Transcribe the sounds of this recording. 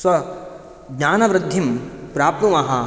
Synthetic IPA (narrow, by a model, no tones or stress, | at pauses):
sʋɐ | ɡɲaːnɐʋɾɪd̪ʱːimpɾaːp̚t̪umɐɦɐ